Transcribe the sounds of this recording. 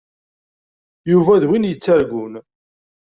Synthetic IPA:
juvæðwinjət͡sːæɾɡun

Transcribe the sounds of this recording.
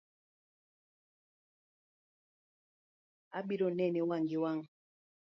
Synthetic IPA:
aɓiɾɔnɛniwaŋɡiwaŋ

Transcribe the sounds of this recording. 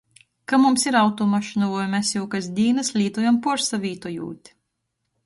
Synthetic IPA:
kamumsiɾawt̪ɔmaʃinɔvɔjmɛsjuwkasd̪ʲiːnɐslʲiːt̪ujampuɔɾsavʲiːt̪ɔjṵːt̪ʲ

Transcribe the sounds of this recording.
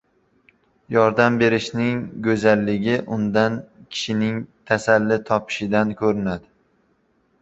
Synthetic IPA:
jɒɾd̪ambe̞ɾɪʃnɪŋɡʲɵzalːɪɡʲɪʔʊnd̪ankʲʰɪ̥ʃɪnɪŋt̪ʰasalːɪt̪ʰɒpʰɪ̥ʃɪd̪ankʰɵɾɪnad̪ɪ

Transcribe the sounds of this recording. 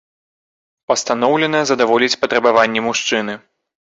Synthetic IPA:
pɐst̪anɔwlʲɛnɐzɐd̪avɔlʲit͡sʲpɐt̪ɾɐbavanʲːɛmuʂt͡ʂɨnɨ

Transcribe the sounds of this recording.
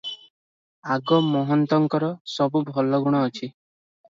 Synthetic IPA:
aɡɔmɔɦɔnt̪ɔŋkɔɾɔsɔbubʱɔlɔɡuɽ̃ɔːt͡ʃʰi

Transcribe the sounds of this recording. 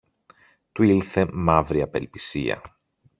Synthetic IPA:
t̪uilθe̞mɐvɾiɐpe̞̰lpisḭɐ̰

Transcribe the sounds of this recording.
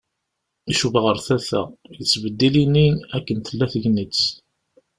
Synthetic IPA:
iʃuvʁəɾθæθæ̰jət͡sːvəd̪ːiliniækːənθəlːæθəʝnət͡sː

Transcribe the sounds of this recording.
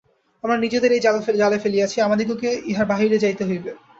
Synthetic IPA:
amɾaɾnid͡ʑed̪eɾejd͡ʑalfed͡ʑalefelijat͡ɕʰiamad̪iɡ̬okeiɦaɾbaɦiɾed͡ʑajt̪eɦojbe

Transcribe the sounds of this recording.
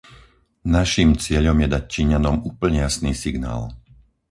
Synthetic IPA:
naʃimt͡sɪɛʎɔmjɛd̪ac̚t͡ʃiɲanɔmuːpl̩ɲɛjasniːsiɡna̰ːl

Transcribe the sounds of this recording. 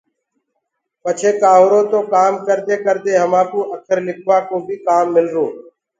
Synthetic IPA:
pət͡ʃʰeːkaːɦoːɾõːt̪oːkaːmkəɾd̪eːkəɾd̪eːɦəmaːkũːʔəkʰəɾlɪkʰʋaːkoːbʱiːkaːmːɪlɾoː

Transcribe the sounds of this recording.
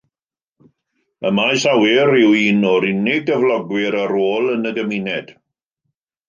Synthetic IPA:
əmasawɪɾɪwiːnɔɾɪnɪɡəvlˠɔɡwɪɾaɾoːlˠənəɡəminɛd̥

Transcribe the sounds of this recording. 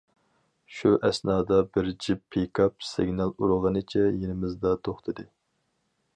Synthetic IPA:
ʃuʔɛsnɑːd̪ɑbɪɾd͡ʒipʰːejkʰɑp̚sɪɡʲnɑlˠuɾəʁənɨt͡ʃʰɛjenɪmɪzd̪ɑt̪ʰoχt̪ʰɨd̪ɨ

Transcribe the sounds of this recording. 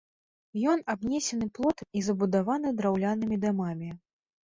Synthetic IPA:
jɔnabnʲɛsʲɛnɨplˠɔt̪izɐbud̪avanɨd̪ɾawlʲanɨmʲid̪amamʲi

